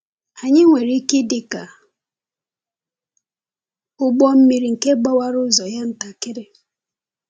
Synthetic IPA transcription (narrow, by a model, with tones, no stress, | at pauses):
a˨ɲɪ˦ŋʷe˨ɾi˦ke˦dɪ˨ka˨ | ʊ˦ɡ͡bɔ˦m̩˦mi˦ɾi˨ŋ̩˨ke˦ɡ͡bɔ˦wa˦ɾʊ˦zɔ˨ja˦n̩˦ta˨kɪ˦ɾɪ˦